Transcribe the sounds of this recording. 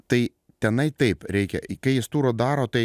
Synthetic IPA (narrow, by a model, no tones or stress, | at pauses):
t̪ɐɪ | t̪ʲɛnɐɪt̪ɐɪpɾʲɛɪkʲɛ̰kɐɪjɪst̪uːɾoːd̪ɑːɾoːt̪ɐɪ